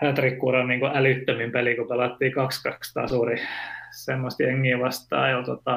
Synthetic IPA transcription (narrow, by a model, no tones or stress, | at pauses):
æt̪rikːuːrɑnniːŋkuʔælyt̪ːømimpelikupelɑt̪ːiːkɑkskɑkst̪ɑ̰ːsuːrisemːost̪jeŋːiːʋɑst̪ɑ̰ːjot̪ot̪ːɑ